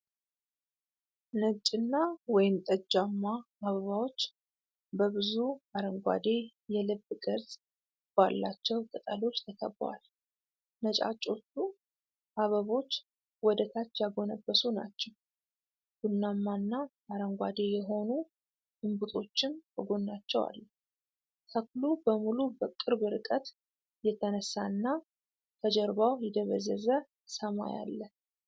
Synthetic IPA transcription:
nət͡ʃʼːɪnːawɔjɪmt̪ʼəd͡ʒːamːaː | βəβawo̞t͡ʃː | bəβɨzuaɾəŋɡʷa̰d̪e̞ | jɛlɨbːɡʼɨɾzʼ | b̥alːat͡ʃːɛwk̪ʼət̪ʼəlo̞t͡ʃːt̪ʰəkʰə̰bwa̰l | nət͡ʃʼa̰t͡ʃʼo̞t̪ːu | ʔaβəβo̞t͡ʃː | wɔd̪ət̪ʰat͡ʃːjaɡo̞nəbːəsuna̰t͡ʃːɛw | ɡ̥unːamːanːa | aɾəŋɡʷad̪ejɛɦo̞nu | ɨmbut̪ʼo̞t͡ʃːɪnəɡonːat͡ʃːɛwa̰lːə | t̪ʰəklubəmulubəkʼɨɾbɨɾɨkʼət̪ | jɛt̪ʰənəsːaɨnːa | t̪ʰəd͡ʒɛɾbawjɛd̪əβəzəzə | səma̰ja̰lːə

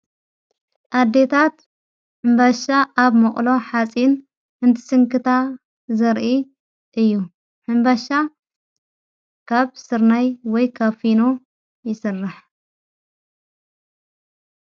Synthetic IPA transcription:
ʔad̪ːe̞t̪ʰat̪ | ħɨmbaʃaʔaβmɨχʼlo̞ħat͡sʼin | ʔɨnt̪ʰɨ̥sɨŋkɨt̪ʰa | zɐɾʔi | ʔɨjːu | ħɨmbaʃa | kʰaβsɨɾnajwɔjkʰaβfino | jɪsɨrːaħ

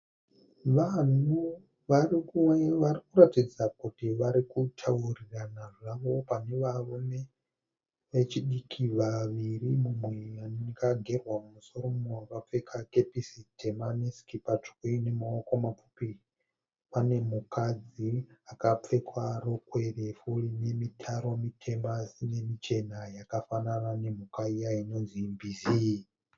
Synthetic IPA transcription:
ʋan̤u | ʋarikʋarikuɾatid͡zakutiʋaɾikutʰauriranaʐaʋo̞pane̞ʋaʋo̞ne | ʋe̞t͡ʃiɗikʰiʋaʋirimumwe̞ankaɡʱe̞rwamumuso̞ɾoummwakap͡fe̞kʰake̞pisitʰemaneskipat͡ʂɣiine̞maoko̞map͡fupi | pane̞mukad͡ziakap͡fe̞kwaro̞kwe̞refurine̞mitʰaɾo̞mitʰe̞masine̞mit͡ʃe̞najakafananane̞mukaijaino̞nzimbisi

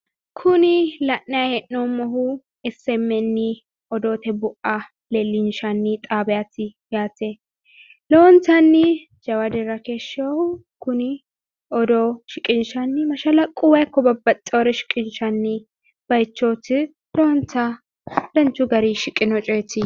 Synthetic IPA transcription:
kʰʊnɪlɐʔːɛjahɛʔnomɔɦʊ | ɛsːɛmːɛnːɪ | ɔd̪oːt̪ɛbʊʔɐ | lɛlːɪnʃɐnːɪt̪ʼaːbɛjat̪ːɪjaːt̪e | loːnt̪ɐnːɪ | d͡ʒɐwɐd̪ɛɾɐkeːʃɐhʊ | kʊnɪ | ɔd̪oːʃɪkʼɪnʃɐnːɪmɐʃɐlɐkʼʊwɐjkːɔbɐbːɐtʼːɛɔɾɛʃɪ̥kʼɪnʃɐnːɪ | b̥ɐjt͡ʃːoːt̪ɪ | loːnt̪ːɐ | d̪ɐnt͡ʃːʊɡɐɾiʃɪkʼːɪnɔt͡ʃʼeːt̪ɪ

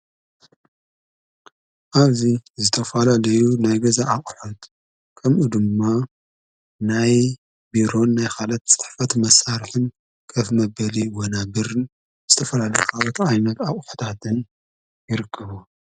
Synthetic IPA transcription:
ʔaβzizɨt̪ʰɐfalalɐjunajɡɐzaʔːχʼħut̪ | kʰɐmʔud̪ɨmːa | naj | biɾo̞nːajxalɐt̪t͡sʼɨ̥ħfɐt̪mɐsːaɾħɨn | kʼʰɐfmɐbɐliwonabɨɾɨn | z̥ɨt̪ʰɐfɐlalɐjukʰaβɐt̪ʰɐajnɐt̪aχʼħu̥t̪ʰat̪ʰɨn | jɪɾɨkʰːɨβu

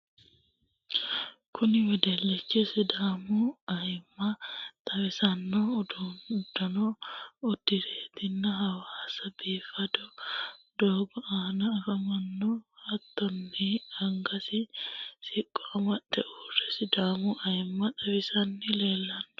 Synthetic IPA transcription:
kʰʊnɪwɛd̪ɛlːɛt͡ʃːɪsɪd̪aːmʊɐjmːɐt̪ʼɐwɪsɐnːɔd̪ud̪̥ɔnɔː | d̪̥ːɪɾeːt̪ɪnːɐɦɐwaːsɐbiːfɐd̪ɔd̪oːbɔaːnɐːfɐmɐnːɔhɐt̪ːɔnːiɐŋɡɐsɪsɪkʼːɔɐmɐtːɛʔuːrɛsɪd̪aːmʊʔɐjɪmːɐt̪ʼɐwɪsɐnːɪle̞ːlːɐnːɔ̥

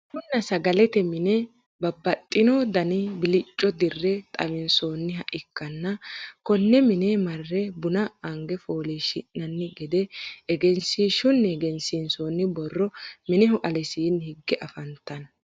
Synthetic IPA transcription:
ʃʊnːɐsɐɡɐlɛt̪ɛmɪnɛ | bɐbːɐt̪ʼːɪnod̪ɐnɪbɪlɪt͡ʃʼːɔd̪ɪrːɛt̪ʼɐ̰mɪnso̞ːnːɪɦɐʔɪkːɐnːɐkɔnːɛmɪneːmɐrːɛbʊnɐɐŋɡɛfoːliʃɪ̰nːɐnːɪɡɛd̪ɛɛɡɛnsiːʃʊnːɛɡɛnsɪnso̞ːnːɪbɔrːɔmɪnɛhʊʔɐlɛsiːnhɪɡːɛʔɐfɐnt̪ːɐn

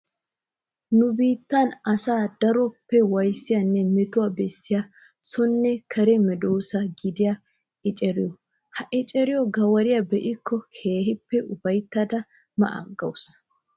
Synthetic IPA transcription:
nʊbiːt̪ːɐnɐsaːd̪̥ɐɾɔpːɛwɐjsːɪjɐnːɛmɛt̪ʊwabɛsːɪja | sɔnːɛkʰɐɾɛmɛd̪oːsɐɡɪd̪ɪja | ʔɪt͡ʃʼɛɾɪjɔ | hɐʔɪt͡ʃʼɛɾɪjɔɡɐwɐɾɪjɐbɛʔɪkʰːɔkʰeːɦɪpːɛʊb̥ɐjt̪ːɐd̪ɐ | mɐ̰ʔɐ̰ɡːɐwʊs

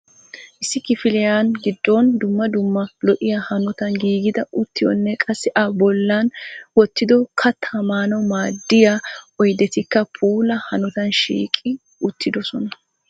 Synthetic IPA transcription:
ʔɪsːɪkɪfɪlɪjanɡɪd̪ːɔnd̪ʊmːɐd̪ʊmːɐlɔʔɪjahɐnɔt̪ɐnɡiːɡɪd̪ɐʔʊt̪ːɪjɔ̰nːɛkʼɐsːɪʔɐbɔlːanwɔt̪ːɪd̪ɔkʰɐt̪ʰːɐmaːnɐwmaːd̪ːɪjaɔjd̪ɛt̪ɪkːɐpʰuːlɐhɐnɔt̪ɐnʃḭːkʼːɪ | ʊt̪ːɪd̪ɔsɔnɐ

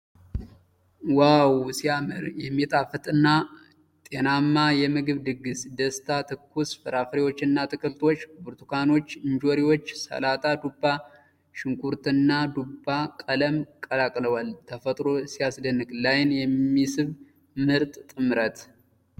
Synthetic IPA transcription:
wawsijamɨɾjɛmːit̪ʼafɨt̪ʼɨnːa | t̪ʼe̞namːajɛmɨɡɨβd̪ɨɡɨsd̪əst̪ʰat̪ʰɨkʰːusfɨɾafɾewo̞t͡ʃːɪnːat̪ʰɨkʰɨlt̪ʰo̞t͡ʃːbuɾt̪ʰɨ̥kʰano̞t͡ʃːɨnd͡ʒoɾiwo̞t͡ʃːsə̰lat̪ʼad̪ubːa | ʃɪŋkʼuɾt̪ʰɨnːad̪ubːakʼələmkʼəlakʼləwalt̪ʰəfət̪ʼɾosijasd̪ənːɨɡlajɪnjɛmːisɨβ | mɨɾt̪ʼt̪ʼɨmɾət̪

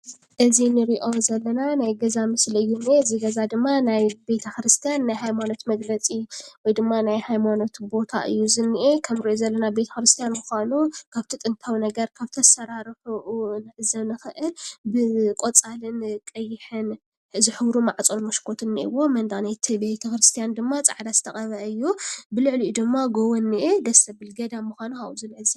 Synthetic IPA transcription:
ʔɨzinɨɾiʔo̞zɐlːɐnanajɡɐzamɨsliɨjːuniezɨɡɐzad̪ɨmːanajbe̞t̪ʰɐxɨɾɨst̪ʰijanːajɦajmano̞t̪mɐɡlɐt͡sʼiwɔjd̪ɨmːanajhajmano̞t̪bo̞t̪ʰa̰ʔɨ̰jːuzɨnːiʔekʰɐmɾiozɐlːɐnabe̞t̪ʰɐ̥xɾɨst̪ʰijanmuxʷanukʰaβt̪ʰit̪ʼɨnt̪ʰawinɐɡɐɾkʰaβt̪ʰɐsɐɾaɾħuʔunɨħɨzɐnɨxɨʔɨlbɨkʼot͡sʼalɨnkʼɐjːɪħɨn | ħɨzɨħɨwɾumaʕt͡sʼonmɐʃkʰo̞t̪ʰɨnːiʔɨ̰wo̞mɐnd̪anat̪ʰibet̪ʰɐxɾɨst̪ʰijand̪ɨmːat͡sʼa̰ʕd̪azɨ̥t̪ʰɐχʼɐβɐɨjːubɨlɨʕliud̪ɨmːaɡowonːiʔed̪ɐsɐbɨlɡɐd̪amuxʷanuhaβuzɨlʕɨzi

